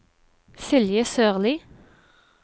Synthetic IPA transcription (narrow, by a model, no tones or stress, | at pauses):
sɪljəsøːʁliː